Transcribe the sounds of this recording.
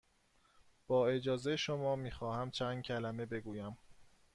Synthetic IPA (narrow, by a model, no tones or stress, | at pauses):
b̥ɒːe̞d͡ʒɒːzejʃomɒːmiːxɒːhæmt͡ʃʰæːnd̪̚cʰælæme̞be̞ɡuːjæm